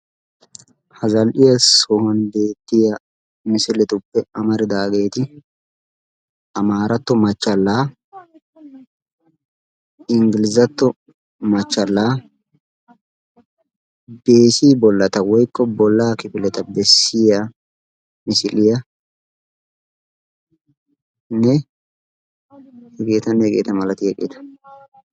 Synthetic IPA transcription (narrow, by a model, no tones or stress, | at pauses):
hɐzɐlʔɪjɐsɔhɐnbe̞ːt̪ːɪjɐ | mɪsɪlɛt̪ʊpːɛɐmɐɾɪd̪aːɡe̞ːt̪ɪ | ʔɐmaːɾɐt̪ːɔmɐt͡ʃːɐlːaː | ɪŋɡɪlɪzɐt̪ːɔ | mɐt͡ʃːɐlːaː | be̞ːsiːbɔlːɐt̪ɐwɔjkːɔbɔlːaːkɪpɪlɛt̪ɐbɛsːɪjɐ | mɪsɪlɪjɐ | nɛ | hɛɡeːt̪ɐnːɛɛɡḛːt̪ɐmɐlɐt̪ɪjɛkʼɪ̰t̪ɐ̥